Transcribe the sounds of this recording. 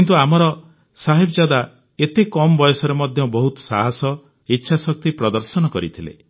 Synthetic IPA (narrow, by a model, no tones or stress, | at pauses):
kint̪uamɔɾɔ | saɦibɔd͡ʒad̪a | et̪ekɔmɔbɔjɔsɔɾemɔd̪ʱjɔbɔɦut̪ɔ̥sa̰ɦasɔ | itːʃʰasɔk̚t̪ipɾɔd̪ɔɾsɔnɔkɔɾit̪ʰilḛ